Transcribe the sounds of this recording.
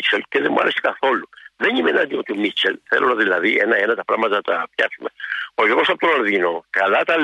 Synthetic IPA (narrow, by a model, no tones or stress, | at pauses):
t͡ʃʰɛlkɛðɛmwa̰ɾɛskaθoluðɛɲimɛnad̪iot̪umit͡ʃʰɛlθɛ̰lʔolaðilaðiɛnaenat̪apɾamat̪at̪apjasumeojoɣosap̚t̪ɔnaɾðinokalat̪a